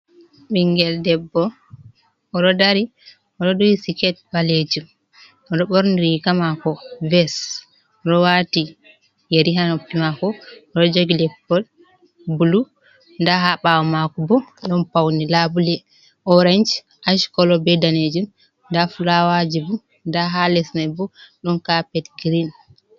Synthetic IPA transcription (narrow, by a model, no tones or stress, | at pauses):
ɓiŋɡɛldɛbːɔ | ɔɗɔdaɾi | ɔɗɔdɔwisikɛt̚baled͡ʒum | ɔɗɔɓoɾniɾikamakɔvɛs | ɔɗɔwati | jeɾiɦanoppːimakɔːɾɔd͡ʒoɡilɛpːɔd | bulu | ndaɦaɓawɔmakubɔɗɔnpawnilabulɛ | ʔɔɾand͡ʒ | ʔaʃkɔlɔbɛdaned͡ʒum | ndafulawad͡ʒibu | ndaɦalɛsnɛbɔɗɔnkapɛtɡɾin